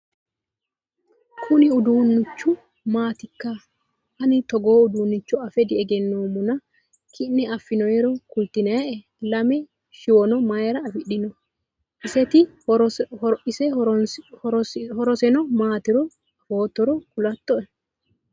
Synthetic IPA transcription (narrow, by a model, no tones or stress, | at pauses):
kʰʊnɪʊd̪uːnːʊt͡ʃːʊ | maːt̪ɪkːɐ | hɐnɪt̪ɔɡo̞ːʊd̪uːnːɪt͡ʃːɔɐfɛd̪ɪɛɡɛnːoːmʊnɐ | kʰɪnːɛʔɐfːɪnɔjɛɾɔkʊlt̪ɪnɐɛʔɛ | lɐmɛ | ʃɪwɔnɔmɐjɛɾɐɐfɪɗːɪnɔ | ʔɪsɛt̪ɪ | ɪsɛ | hɔɾɔsɛnɔmaːt̪ɪɾɔ | hoːt̪ːɔɾɔkʊlɐt̪ːɔɛ